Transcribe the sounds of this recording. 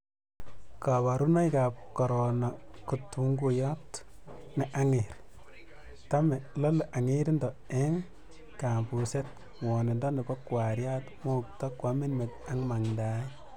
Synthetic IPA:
ka˨βa˨ɾu˦na˦jka˨p̚kɔ˨ɾona˨ku˨tuŋɡujɔ˦t | nɛʔa˦ŋeɾ | ta˦mɛ˨lɔ˦lʔa˨ŋe˦ɾi˦ndɔ˨e˦ŋ | ka˨mpu˨se˦t̚ | wɔ˨ne˨ndɔ˦ne˨pɔ˦kwa˨ɾja˦tmo˦k̚tɔ˦kwa˨mi˦nme˨ta˦ŋma˨ŋda˦

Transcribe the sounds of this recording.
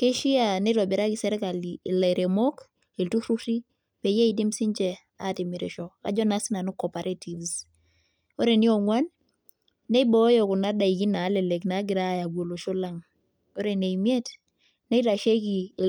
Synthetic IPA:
ke˦ʃi˦a˨ne˦ɾɔ˨bɛ˨ɾa˦ki˨sɛ˦ɾɛ˦ka˨li˨le˨ɾe˨mo˦k | e˨ltu˦ɾu˦ti˦ | pe˨je˦i˨di˦msi˦nd͡ʒɛ˨ | a˦˨ti˨mɪ˨ɾḛ˨ʃɔ˨ka̰˦d͡ʒɔ˦na˦sɪ˦na˨nu˦kɔ˨pa˨ɾʔa˦ti˨vs | o˦ɾe˨ni˦o˨ŋwa˦nː | e˦i˦bɔ˦jɔ˨kʊ˨na˨˦da˨i˨ɡi˦na˨˦lɛ˨le˨kna˨˦ɡɪ˨ɾa˦˨ja˨ɡwo˨lo˨ʃo˦la˦ŋ | o˦ɾe˨ne˨i˨mje˦t | ne˦ɾa˨ʃe˦ki˨

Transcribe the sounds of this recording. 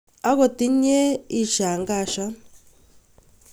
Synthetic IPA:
a˦k̬o˨ti˦ɲɛ˦i˦ʃa˨ŋɡaː˦˨ʃa˦

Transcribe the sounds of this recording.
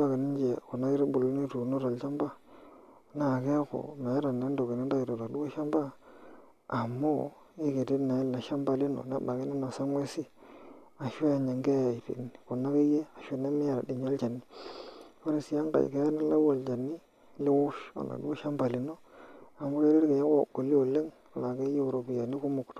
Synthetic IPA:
ba˨ki˨ni˦d͡ʒe˨ku˨na˦ki˦ɾbu˨lo˨ni˦ɾu˨no˦ɾa˨lt͡ʃa˦mba˦ | na˨ke˦ko̰˨na˨˦ɾa˨ne˦ndo˨ki˨ne˦n˦da˦ki˨ɾo˨ɾa˨du˦wa˦ʃa˦mba˦ | a˨mːo˦ | i˦ke˨ti˦na˨i˦lna˨ʃa˦mba˦li˦no̰˨na̰˦ba˨ki˦ni˦na˨sa˦ŋwe˦si˦ | a˨ʃo˦a˨ɲa˨ŋɡe˦jtḭ˨n˨ko˨na˦ke˦je˦a˨ʃo˨ne˦mɪ˦a˨ɾa˨di˨ɲo˦lt͡ʃa˨ni˦ | po˦ɾi˨si˨˦a˦ŋɡa̰˨ke˦a˦na˦la˦wo˨lt͡ʃa˨ni˦ | lɪ˦wʊ˦ʃa̰˨la̰˨du˦o˦ʃa˦mba˨li˨no˦a˨mʊ˦ke˦ɾe˦ɾke˨je˦ko̰˦˨kːo˨li˦o˨le˦ŋ | a˨la˨ke˦je˦u˨ɾo˨bi˨ja˨ni˦ku˦mʊ˨kt

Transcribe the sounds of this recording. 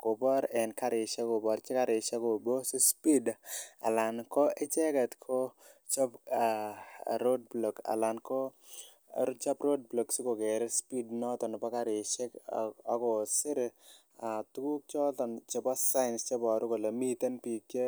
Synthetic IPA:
ko˨bɔ˦ɾɛ˨nka˦ɾɪ˨t͡ʃɛ˦ko˨bɔ˨ɾt͡ʃɪ˦ka˦ɾɪ˨t͡ʃe˦ko˨bo˦se˦spi˦da̰˨la˨nkɔ˦e˦t͡ʃɛ˦ka˨t̪kʰo˦t͡ʃɔ˦pa˨ɾo˦d̚blo˨ka̰˨la˨nkɔ˦ | t͡ʃa˦pɾo˦d̚blo˨ksi˦ko˨ɡɛ˨ɾɛ˦spi˦dnɔ˦t̪ɔ˨n˨pa˦ka˦ɾɪ˨t͡ʃe˦kɔ˦kɔ˨sɪ˦ɾ | a˨t̪u˦ku˦k̚t͡ʃɔ˦tɔ˨nt͡ʃe˦pa˦sa˦ɪ˨nst͡ʃe˦bɔ˨ɾʊ˦ko˨le˨mi˦t̪e˦npi˨ke˦

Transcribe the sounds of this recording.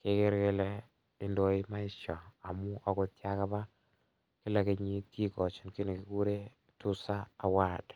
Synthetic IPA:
ke˦ke˦ɾke˦lɛ˦ | ɪ˨ndo˨i˦ma˦ɪ˦ʃɔ˨a˨mu˦ʔɔ˦ko˨tja˦ka˦ba˦ | kɪ˦lɛ˨ke˨ɲi˦ti˦kɔ˨t͡ʃi˨nki˦ne˨ki˨ku˦ɾe˦ | tu˦saː˦˨wa˨t

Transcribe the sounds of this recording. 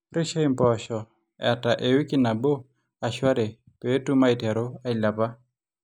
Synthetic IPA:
rɪ˦ʃe˦ɪ˦mbɔʃɔ˨ | ɛ̰˨ta˨ʔe˨wi˦kɪ˦na˨bo˦ | a˨ʃwa˦ɾe˨ | pe˦tu˦ma˦ɪ˨tɛ˨ɾo˦a˦ɪ˨la˨pa˦

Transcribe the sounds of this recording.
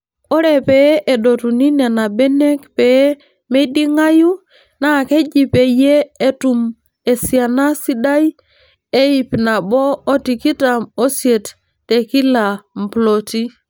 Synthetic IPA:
o˦ɾe˨pe˨˦ʔe˨do˨tu˨ni˦ne˨na˨be˦ne˦kpe˨˦ | me˦di˦ŋa˦ju˦ | na˦˨ke˦d͡ʒi˨pe˨je˦e˨tu˨m | e˨si˨a˨na˦si˦da˦j | e˦ji˨pna˨boː˦ti˨ki˦ta˨mo˦sie˨tː | e˨ki˦la˨m̩˨plo˨ti˦

